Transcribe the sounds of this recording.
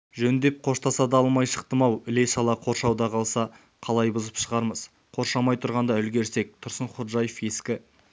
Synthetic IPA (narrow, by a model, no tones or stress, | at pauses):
ʒɵnd̪e̞p̚qʰo̞ʃt̪ɑsɑd̪ɑɑlˠmɑjʃə̥q̚t̪əmɑwɪle̞ʃɑlˠɑqʰo̞ɾʃɑwd̪ɑqʰɑlˠsɑ | qʰɑlˠɑjbʊzəpʃəʁɑɾməz̥ | qʰo̞ɾʃɑmɑjt̪ʰʊɾʁɑnd̪ɑʏlɡʲe̞ɾse̞k̚t̪ʰʊɾsəɴχot̪ʒɑjəfje̞skʲɪ